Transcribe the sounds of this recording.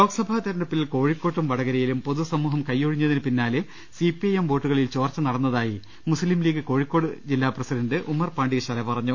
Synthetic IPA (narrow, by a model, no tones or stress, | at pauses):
lo̞ːɡsɐbʱaːt̪ɐɾɐɳɖɐpːilko̞ːɻikːo̞ːʈːumʋɐɽɐɣɐɾɐjilumpo̞ðusɐmuːɦɐmkɐjːoɻiɲːɐðinɨpinːaːlɨ | sipiɐjemʋo̞ːʈːuɣɐɭilt͡ɕo̞ːrt͡ɕːɐnɐɽɐnːɐðaːji | muslimliːɣɨko̞ːɻikːo̞ːɽɨd͡ʑilːaːprɐsidɐnɖɨʔumɐrpaːɳɖiɣɐɕɐlɐpɐrɐɲːu